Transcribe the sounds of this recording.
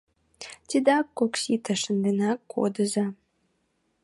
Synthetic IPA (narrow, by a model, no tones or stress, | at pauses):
t̪ʲid̪ɑkːoksit̪əʃənd̪enɑkːo̰d̪ə̆za